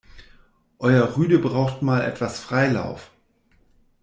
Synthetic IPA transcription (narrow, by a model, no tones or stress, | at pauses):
ʔɔʏɐʁyːdəbʁaʊxtmaːlʔɛ̰tv̥asfʁ̥aɪla̰ʊf